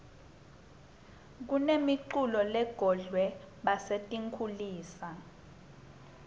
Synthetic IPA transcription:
k̬unemiǃulɔlɛɡ̥ʱɔɮwɛ | ɓasetʼiŋkʰuliːsa

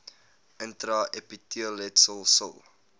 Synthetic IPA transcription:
əntɾɐʔɛpitiəlɛtsəlˠsə̰lˠ

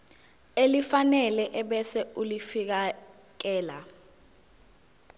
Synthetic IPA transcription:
elifanɛlɛʔɛɓɛsɛulifik̬a | k̬ɛːla

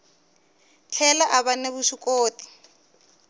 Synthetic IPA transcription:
t͡ɬʰɛlaʔaβaneβuʃikoːti̥

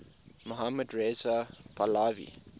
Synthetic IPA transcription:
moɦamədɹezapʰalavḭ

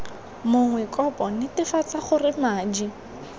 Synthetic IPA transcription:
mʊŋwɛkɔpɔnɪtɪfat͡saχʊrɪmaːd͡ʒi

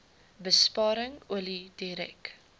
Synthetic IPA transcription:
bəspɑːɾəŋuəlidiɾɛ̰k

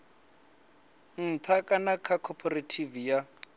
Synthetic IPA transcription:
n̩t̪ʰakʼanakʰakʰɔpʰɔratʰivija

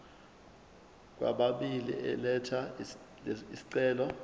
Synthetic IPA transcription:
k̬wa̰ɓaɓilḭɛ̰lɛtʰa | isi̥ǀɛːlɔ

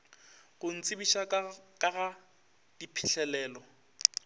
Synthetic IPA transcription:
ɣʊn̩t͡sʼɪbiʃakʼaɣa | d̥ipʰɪɬʰɛlɛːlɔ

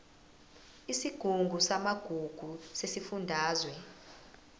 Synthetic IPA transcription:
isiɡ̥ʱuŋɡʱusamaɡ̥ʱuɡ̥ʱusesifundʱaːzwɛ

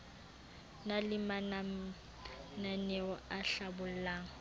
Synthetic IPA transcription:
nalɪman | nanɛɔaɬabʊl̩laːŋ̩

